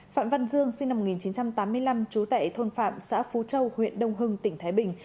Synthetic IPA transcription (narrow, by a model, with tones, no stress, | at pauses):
fa̰ː˧˨mva˧nzɨ˧əŋsi˧ŋna˧m̚˨˩i˨˩nt͡ɕi˨˦nt͡ɕa˧mt̪aː˨˦mːɨ˧əjla˧mt͡ɕu˨˦t̪a̰ː˧˨jt̪ʰo˧nfa̰ː˧˨msa̰ː˧˥fu˨˦t͡ɕə˧whwḭ˧˨ənɗə˧wŋ͡mɦɨ˧ŋt̪ï˧˩ŋ̟t̪ʰaː˨˦jɓï˨˩ŋ̟